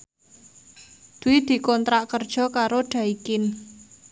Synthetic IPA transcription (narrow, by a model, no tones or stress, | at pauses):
d̪̥uwid̪̥i̤kɔnt̪ɾaʔkərd̥ʒ̥ɔ̤kaɾoɖ̥ä̤ikɪn